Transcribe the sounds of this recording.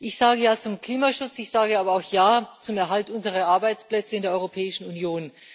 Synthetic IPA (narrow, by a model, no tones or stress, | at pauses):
ʔɪçz̥aːɡəjaːt͡sʊmkl̥iːmaʃʊt͡sɪçz̥aːɡəʔaːbɐaʊxjaːt͡sʊmɛɐɦaltʔʊnzəʁ̞ɐʔaɐbaɪt͡splɛt͡səɪndeːɐɔʏʁopʰɛːɪʃn̩unjoːn